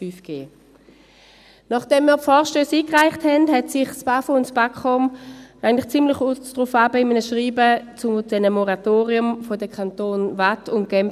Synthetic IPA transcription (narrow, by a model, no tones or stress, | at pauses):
yːfɡ̥eː | nɔχd̥ɛmːiːɐpfɔːʁʃtøːsiːkʁaɪχthɛndɦɛtsɪχsb̥afoʊntsb̥akχɔmʔaɪɡəntlɪχt͡simlɪχud̥ʁufabəɪmənəʃʁiːbət͡sʊmd̥ɛnəmɔʁatoːʁiʊmfodəkʰantoːnvatʊnt̚ɡ̥ɛm